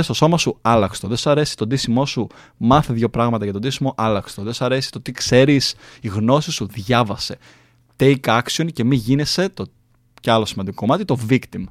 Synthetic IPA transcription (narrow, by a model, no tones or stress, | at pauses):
est̪o̞so̞mɐsuɐlɐkst̪o̞ðesoɐɾe̞si̥t̪o̞d̪isimo̞su | mɐθeðʝo̞pɾɐɣmɐt̪ɐʝɐt̪o̞d̪isimo̞ʔɐlɐkst̪oðesɐɾe̞si̥t̪ot̪ikse̞ɾisiɣno̞sisuðʝɐvɐse̞ | t̪ejkɐksio̞nce̞miʝinese̞t̪o | ceɐlosimɐnd̪ikokomɐt̪it̪o̞vikt̪im